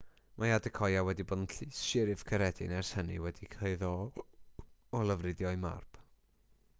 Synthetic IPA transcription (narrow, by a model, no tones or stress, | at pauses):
mʔajadəkʰɔjawɛdibɔdn̩ɬɨsʃɪɾɪv̥kʰəɾɛdɪ̰nɛrshənḭwɛdikʰeɨðɔ | ɔlˠəvrɨdjɔɨma̰rp